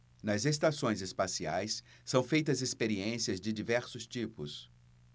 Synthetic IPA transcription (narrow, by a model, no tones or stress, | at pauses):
nɐzes̬t̪asõj̃zespasiajsː | ɐ̃w̃fejt̪ɐzespeɾiẽsiɐzd͡ʒɪd͡ʒivɛɾsʊst͡ʃipʊs